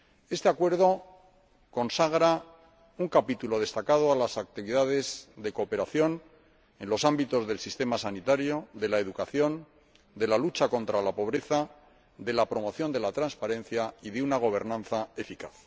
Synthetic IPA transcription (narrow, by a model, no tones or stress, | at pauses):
e̞st̪e̞akwe̞ɾð̞o̞ | ko̞nsaɣ̞ɾa | uŋkapit̪ulo̞ð̞e̞st̪akað̞oalasak̚t̪iβiðaðe̞zðe̞ko̞pe̞ɾaθjo̞n | e̞nlo̞sambit̪o̞zðe̞lsist̪e̞masanit̪aɾjo̞ðe̞laeðukaθjo̞n | d̪e̞lalut͡ʃako̞nt̪ɾalapo̞β̞ɾe̞θa | ðe̞lapɾo̞mo̞θjo̞nd̪e̞lat̪ɾanspaɾe̞n̟θjaiðeunaɣ̞o̞β̞e̞ɾnãnθae̞fikaθ